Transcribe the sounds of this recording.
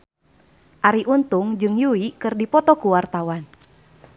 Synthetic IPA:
ʔaɾiʔunt̪uŋd͡ʒɨŋjuikɨrdipɔt̪ɔkuwart̪awan

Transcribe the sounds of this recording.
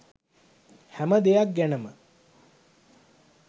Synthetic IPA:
hæməd̪ejak̚ɡænəmə

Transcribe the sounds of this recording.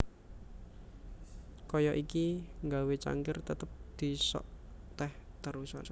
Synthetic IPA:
kɔjɔʔikiŋɡawet͡ʃa̰ŋɡɪrt̪ət̪əp̚d̪̥i̤sɔ̰ʔ | t̪ɛht̪əɾusa̰

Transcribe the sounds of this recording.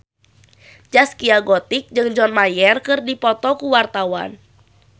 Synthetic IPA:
d͡ʒaskiaɡɔt̪ik̚d͡ʒɨŋd͡ʒɔnmajɛrkɨrdipɔt̪ɔkuwart̪awa̰n

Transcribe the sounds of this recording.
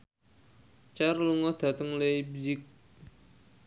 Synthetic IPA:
t͡ʃarluŋɔd̪̥ä̤t̪əŋleibd͡ʒɪk̚

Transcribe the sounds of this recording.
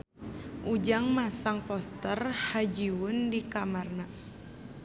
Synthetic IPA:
ʔud͡ʒaŋmasaŋpɔst̪ərhad͡ʒiwʊndikamarna

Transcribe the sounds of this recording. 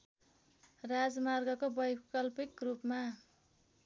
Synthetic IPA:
rad͡zmarɡʌkobʌjkʌlpikrupma

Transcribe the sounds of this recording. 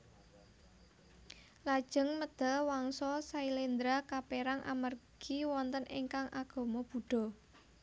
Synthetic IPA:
lad̥ʒ̥ə̤ŋməd̪̥a̤waŋsɔsailend̪ɾakapeɾaŋʔa̰marɡ̥iwɔnt̪əniŋkaŋʔaɡ̥ɔ̤mɔb̥ṳɖ̥ɔ̤

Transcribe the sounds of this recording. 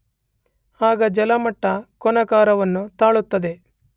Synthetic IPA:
aːɡɐd͡ʒɛlɐmɐʈːɐkɔnɐkaːɾɐʋɐnːut̪aːɭut̪ːɐd̪e̞

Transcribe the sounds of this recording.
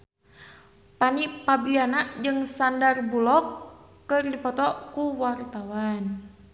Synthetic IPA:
panipabilianaʔd͡ʒɨŋsandarbulɔkː | ɨrdipɔt̪ɔkuwart̪awan

